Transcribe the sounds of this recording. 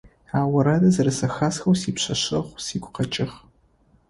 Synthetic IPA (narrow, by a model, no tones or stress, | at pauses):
aːwɐɾɐdɐzɐɾɨsɐxasxɐwsiːpɕɐɕɐʁʷsiːɡʷʊqɐt͡ʃʼɪχ